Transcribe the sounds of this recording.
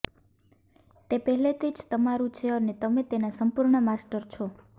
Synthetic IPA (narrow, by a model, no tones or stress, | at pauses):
t̪epəɦlet̪ʰid͡ʒt̪əmaɾũt͡ʃʰeənet̪əmet̪enasəmpuɾɳəmasʈəɾt͡ʃʰo